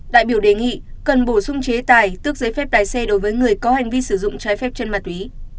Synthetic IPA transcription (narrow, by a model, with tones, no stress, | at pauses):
ɗa̰ː˧˨jɓi˧˩əwɗe˨˩ŋḭ˧˨kə˨˩nɓo˧˩sʊ˧ŋ͡mt͡ɕe˨˦t̪aː˨˩jt̪ɨ˦˥ək̚zə˨˦jfɛ˦˥p̚ɗ̪aː˨˩jsɛ˧ɗo˨˦jvəː˨˦jŋɨ˨˩əjkɔ˨˦ha˨˩jŋ̟vi˧sɨ˧˩zʊ̰˧˨ŋ͡mt͡ɕaː˨˦jfɛ˦˥p̚t͡ɕe˧nma˨˩t̚wi˨˦